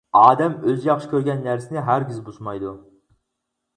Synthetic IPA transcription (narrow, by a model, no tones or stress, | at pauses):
ɑːd̪ɛmøzjɑχʃi̥kʲʰøɾɡʲɛnːæɾsɪnɪɦæɾɡʲyzbuʃmɑjd̪u